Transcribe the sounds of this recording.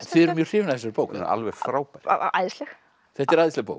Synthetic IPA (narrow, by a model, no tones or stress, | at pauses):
ɛnθɪːðɛɾɾmjœ̥r̥ɪːvɪnaðθɛsaɾpoːwka̰lvɛɣfɾaːwpaj̰a̰jðslɛx | θɛht̪ɛɾajðslɪɣpo̰ːwk